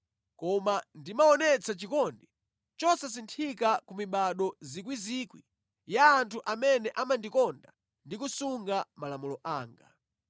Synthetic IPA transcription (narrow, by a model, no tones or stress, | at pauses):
kɔmandimaɔnɛt͡sat͡ʃikɔndi | t͡ʃɔsas̬intʰikakumiɓaɗɔzikwizikwḭ | jaːntʰuʔamɛnɛʔamandikɔnda | ndikusuŋɡamalamulɔʔaːŋɡa̰